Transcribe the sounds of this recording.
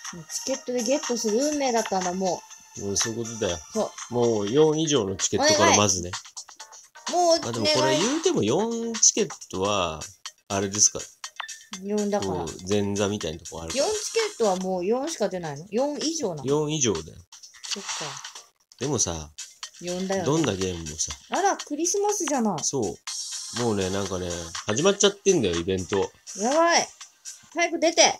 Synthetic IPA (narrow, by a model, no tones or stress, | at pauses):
moːt͡ɕi̥ke̞t̪ːo̞d̪e̞ɡe̞t̪ːo̞sɨɾɯ̟ɯ̟ːmːe̞ːd̪at̪ːãnd̪aamo̞ː | moso̞ːiko̞t̪o̞d̪ajosoːmoːjõ̞ɰ̃iʑo̞ːno̞t͡ɕi̥ke̞tokaɾamazɨne̞ | moːmad̪eoko̞ɾɾejɯːt̪e̞mo̞jõ̞nt͡ɕi̥kʲe̞t̪ːo̞βaː | ɾe̞d̪e̞sɨ̥ka̰ɾ | jõnd̪akoaad͡zẽ̞nd͡zamʲit̪aḭnat̪oka̰ɾɯjõɲt͡ɕi̥kʲe̞t̪ːo̞βamo̞ːjõ̞ɰ̃ɕi̥kad̪e̞naino̞jõ̞ɰ̃iʑo̞ːnãjõ̞ɰ̃iʑo̞ːd̪ḛsot̪ːo | d̪̥e̞mo̞sa̰jõnd̪ajod̪õ̞nːaɡe̞ːmɯ̟mosaaɾakɯ̟ɾʲisɨmasɨʑanaiso̞ːmo̞ːne̞nãŋkane̞haʑimat͡ɕːat̪ːẽ̞nd̪ajo̞ibẽ̞nt̪o̞jaβait̪aiɸɯ̟d̪e̞t̪e̞